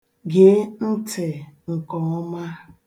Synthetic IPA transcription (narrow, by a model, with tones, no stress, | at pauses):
ɡe˦n̩˦tɪ˨ŋ̩˨kɔ˨ɔ˦ma˦